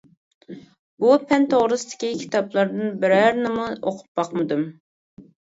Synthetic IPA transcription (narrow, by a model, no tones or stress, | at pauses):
b̥upʰɛnt̪ʰoʁɾɨsɨ̥t̪ʰɪ̥kʲikʲʰi̥t̪ʰɑplˠɑɾd̪ɨnbɪɾæɾnɪmuoqʰʊ̥p̚bɑqmɨd̪ɨm